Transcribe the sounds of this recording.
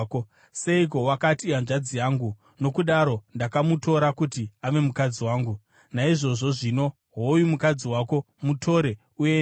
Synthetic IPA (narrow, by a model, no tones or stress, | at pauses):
ko | se̞ik̬owakatianʐad͡zijaːŋɡu | no̞kuɗaɾo̞ndakamuto̞ɾakutiaʋe̞mukad͡ziwaːŋɡu | naiʐo̞ʐo̞ʐino̞ | ɦojumukad͡ziwako̞ | mutʰo̞ɾe̞ | uje